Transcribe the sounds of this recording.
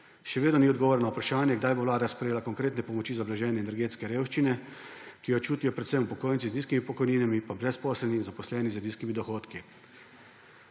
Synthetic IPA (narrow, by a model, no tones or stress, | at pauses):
ʃɛʋeːd̪nɔniɔd̪ɡɔʋoːɾnɔupɾaʃaːnjɛɡd̪ajboʋlaːd̪aspɾɛjeːlakɔŋkɾeːt̪nɛpɔmɔt͡ʃiːzablaʒɛːnɛːnɛɾɡeːt̪skɛɾeːwʃt͡ʃinɛ | kijɔt͡ʃuːt̪ijɔpɾɛt̪sɛmupɔkoːjnt̪sizniːskimipɔkɔjniːnamipabɾɛspɔːsɛlninzapɔslɛːnizəniːskimid̪ɔxoːt̪ki